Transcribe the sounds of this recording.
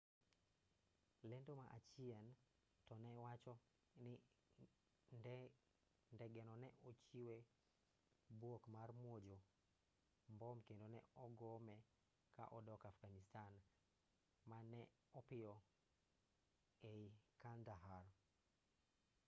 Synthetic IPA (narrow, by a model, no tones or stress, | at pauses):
lɛndomaʔa̰t͡ʃiɛn | tɔnɛwat͡ʃɔ | nɪ | n | ndɛɡɛnɔnɛʔot͡ʃiwe | bwokmarmwod͡ʒo | mbɔmkendonɛ̰ɔɡɔmɛ | ka̰ʔɔdɔkafɡanistan | manɛ | ɔpɪjɔ | eikandaɦar